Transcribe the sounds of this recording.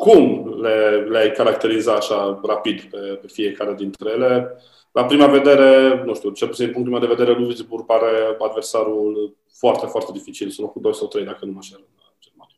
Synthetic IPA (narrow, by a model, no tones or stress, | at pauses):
kumle̞leajkaɾakt̪e̞ɾizat̪aʃarapid̪pe̞pe̞fie̞kaɾead̪int̪ɾejele̞ | lapɾimave̞d̪e̞ɾe̞nuʃt̪iut͡ʃelpusinipuŋkt̪umad̪eved̪e̞ɾeluvizburɡ̚paɾe̞ad̪versaɾul | foart̪e̞foart̪e̞d̪ifit͡ʃilsulokud̪o̞jsawt̪ɾejd̪akənumaʃeɾəad͡ʒelman